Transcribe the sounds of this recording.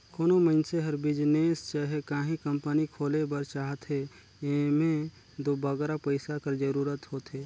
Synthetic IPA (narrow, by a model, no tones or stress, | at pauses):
koːnoməɪnseɦɐɾbɪd͡ʒneːst͡ʃaːɦekaːɦĩkə̃mpənikʰoːlebəɾt͡ʃaːɦət̪ɦe | emẽ | d̪oːbəɡɾapəɪsakəɾd͡ʒəɾuːɾət̪ɦoːt̪ɦeː